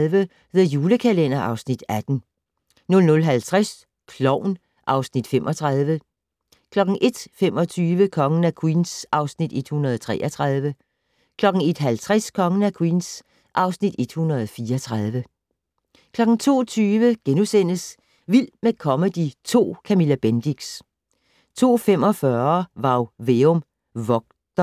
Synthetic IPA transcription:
ʋə | ʋe̝ðˠjuːləkʰælen̰ɐʔɑ̈ʊsnid̥æd̥n̩ | nɔ̽lnɔ̽lɦælt͡sʰʁas | kʰlɒʊ̰n | ʔɑ̈ʊsnid̥femʔɒ̽t͡sʰʁɑðˠʋə | kʰlɒ̽ɡ̥n̩ʔe̝d̥femɒ̽t͡sʰyːʋəkʰɒ̽ŋən̩ækʰwḭːnsʔɑ̈ʊsnid̥e̝d̥hunʁɐðˠt͡sʰʁɛ̰ːʔɒt͡sʰʁɑð̞ˠʋə | kʰlɒ̽ɡ̥n̩e̝d̥ɦælt͡sʰʁaskʰɒ̽ŋən̩ækʰwiːns | ʔɑ̈ʊsnid̥e̝d̥hunʁɐðˠfiːɐɒt͡sʰʁɑð̞ˠʋə | kʰlɒ̽ɡ̥n̩t͡sʰo̝̰ːt͡sʰyːʋəɡ̥enusen̰əs | ʋilmekʰɒ̽məd̥it͡sʰo̝̰ːkʰæmilæb̥end̥iɡ̥s | t͡sʰo̝̰ːfem̰ɒ̽fɶɐʋɑ̈ʊʋeɔm | ʋɒ̽ɡ̥̚d̥ɐ

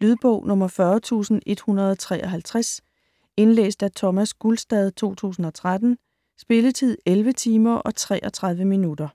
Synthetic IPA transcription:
lyð̞ˠb̥ɔʊ̰nɔ̽mɐfɶɐt͡sʰṵːsn̩e̝d̥hunɐð̞ˠɒt͡sʰʁɛ̰ːʔɒ̽ɦælt͡sʰʁas | e̝nlḛːsd̥æt͡sʰɒ̽mæsɡ̥ulsd̥ɛð̞ˠt͡sʰo̝̰ːt͡sʰṵːsn̩ɒ̽t͡sʰʁad̥n̩ | sb̥e̝lət͡sʰið̞̰ˠelʋət͡sʰiːmɐʔɒ̽t͡sʰʁɛ̰ːʔɒ̽t͡sʰʁäð̞ˠʋəminudɐ

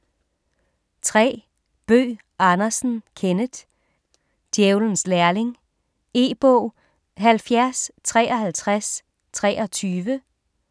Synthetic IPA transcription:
t͡sʰʁɛ̰ː | b̥ø̰ː | ʔɑnɐsn̩kʰenəd̥ | d̥jeʊln̩slæɐle̝ŋ | e̝ːb̥ɔʊ̰ | ɦælfjæɐst͡sʰʁɛːʔɒhælt͡sʰʁas | t͡sʰʁɛːʔɒt͡sʰyːʋə

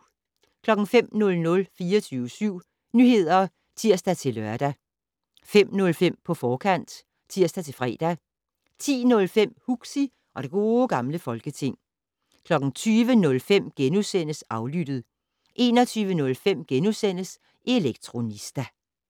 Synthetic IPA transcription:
kʰlɒ̽ɡ̥ŋ̩fem̰nɔ̽lnɔ̽lfiːɒt͡sʰyːʊəsyʊ̰ | nyhe̝ð̞̰ˠɐ | t͡sʰiɐ̰sd̥æt͡sʰe̝lœɐd̥æ | fem̰nɔ̽lfem̰pʰɒ̽fɒːkʰæn̰d̥ | t͡sʰiɐ̰sd̥æt͡sʰe̝fʁɛ̰ːd̥æ | t͡sʰḭːnɔ̽lfem̰huɡ̥si | ʔɒ̽ɾ̥e̝ɡ̥o̝ːɡ̥ɑ̈mləfɒ̽lɡ̥ət͡sʰe̝ŋ̰ | kʰlɒ̽ɡ̥ŋ̩t͡sʰyːʋənɔ̽lfem̰ɡ̥enusen̰əsɑ̈ʊlyd̥ð̩ˠ | ʔe̝ːnɒt͡sʰyːʋənɔ̽lfem̰ɡ̥enusen̰əs | ʔe̝leɡ̥t͡sʰʁo̝nisd̥æ

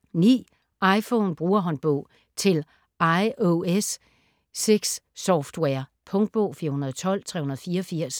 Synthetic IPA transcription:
nḭː | ɑ̈ɪfɔnb̥ʁuːɐɦɒ̽nb̥ɔʊ̰ | t͡sʰe̝l | ʔɑ̈ɪʔoesː | eɡ̥sːɒfd̥weɐpʰɔ̽ŋd̥̚b̥ɔʊ̰fiːɐhunɐðˠɒt͡sʰɒ̽l̰t͡sʰʁɛ̰ːhunɐð̩ˠfiːɐɒfiɐ̰s

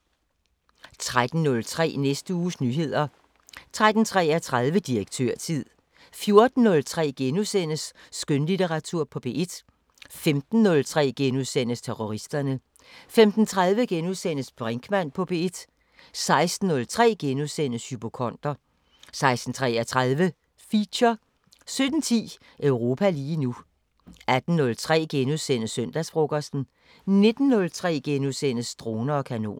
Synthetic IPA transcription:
t͡sʰʁad̥n̩nɔ̽lt͡sʰʁɛ̰ːnesd̥əuːsnyːɦe̝ð̞̰ˠɐ | t͡sʰʁad̥n̩t͡sʰʁɛ̰ːæt͡sʰʁað̞ˠʋəd̥iʁɐɡ̥̚t͡sʰø̰ɐ̰t͡sʰið̰ˠ | fjo̝ɐd̥n̩ːɔ̽lt͡sʰʁɛ̰ːɡ̥enusen̰əsː | ɡ̥ønlit͡seʁɑ̈t͡sʰuɐ̰pʰɒ̽b̥e̝ed̥ | femd̥n̩ːɔ̽lt͡sʰʁɛ̰ːɡ̥enuðˠsen̰əst͡sʰeʁoʁisd̥ɐnə | femd̥n̩t͡sʰʁað̞ˠʋəɡ̥enuðˠsen̰əsb̥ʁeŋɡ̥mæn̰pʰɒ̽b̥e̝ed̥ | sɑ̈ɪsd̥n̩ːɔ̽lt͡sʰʁɛ̰ːɡ̥enuðˠsen̰əshyb̥o̝kʰɒ̽n̰d̥ɐ | sɑ̈ɪsd̥n̩t͡sʰʁɛ̰ːɐt͡sʰʁaðˠʋə | fiɕɐ | sød̥n̩t͡sʰḭː | ʔœʊʁo̝ːpʰæliːnu | æd̥n̩ːɔ̽lt͡sʰʁɛ̰ːɡ̥enuðˠsen̰əsøn̰d̥æsb̥ʁoɡ̥ɐsn̩ | ne̝d̥n̩ːɔ̽lt͡sʰʁɛ̰ːɡ̥enuðˠsen̰əsːd̥ʁoːnɐɒ̽kʰæno̝̰ːn

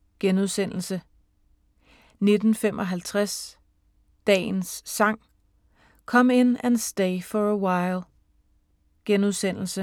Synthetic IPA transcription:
ɡ̥enuðˠsen̰l̩sə | ne̝d̥n̩fem̰ʔɒ̽ɦælt͡sʰʁas | d̥ɛ̰ːnsːɑ̈ŋ̰ | kʰɒ̽m̰e̝n̰ænsd̥eɪfɒəwɑ̈ɪlˠ | ɡ̥enuðˠsen̰l̩sə

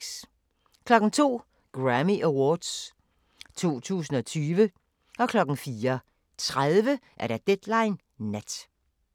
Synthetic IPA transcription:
s | kʰlɒ̽ɡ̥n̩t͡sʰo̝̰ː | ɡ̥ʁæmiʔæwɒːd̥s | t͡sʰo̝̰ːt͡sʰṵːsn̩ɒ̽t͡sʰyːʋə | ɒ̽kʰlɒ̽ɡ̥n̩fiːɐ | t͡sʰʁaðˠʋəʔæɐɾ̥æd̥ed̥lɑ̈ɪnː | æd̥

